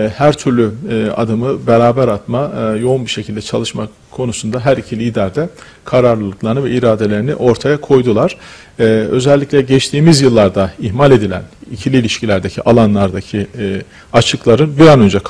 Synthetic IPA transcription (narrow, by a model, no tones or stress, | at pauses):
hæɾt̪ʰyɾlʲya̰d̪ɯmɯbeɾaːbæɾat̪majo̞unbiʃe̞cʰild̪ɛt͡ʃʰalˠɯʃma | kʰːo̞nusund̪aɦæɾicʰilʲiːd̪æɾd̪ɛ | kʰaɾaɾlˠɯlˠɯklˠaɾnɯvɛiɾaːd̪e̞lʲe̞ɾinḭʔo̞ɾt̪ʰajakʰo̞jd̪ulˠaɾ̥ | ø̞̰zɛlʲːiclʲɛɟɛt͡ʃt̪ʰiːmizjɯlˠːaɾd̪aihmalʲe̞d̪ilʲæ̰nicʰilʲilʲiʃcilʲæɾd̪ecʰiʔalˠanlˠaɾd̪acʰi | at͡ʃʰɯklˠaɾɯnbiɾanø̞nd͡ʒɛk